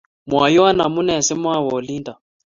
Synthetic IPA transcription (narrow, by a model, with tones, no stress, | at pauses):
mwa˨jɔ˦a˦na˨mu˦nɛ˨sɛ˦mwa˦˨wɔ˨li˦nda˨